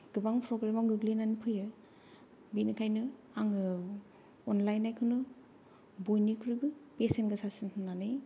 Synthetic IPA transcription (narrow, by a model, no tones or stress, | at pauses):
ɡ̥ɯbaŋpʰɾɔɡɾemaŋɡɯɡlinanipʰɯjɯ | binɯkʰajnɯ | aŋɯ | ɔnlajnːajkʰɯnɯ | bojnikʰɾibɯpesentɡɯsasintʰɯnːanɯ